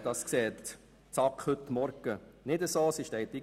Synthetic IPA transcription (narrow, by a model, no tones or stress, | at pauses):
d̥̪ɑskseːt̪ | t͡sɑkhɵt̪ːmɔɾɡ̥ənɪd̪əsoːsɪʃtɛɪt̪i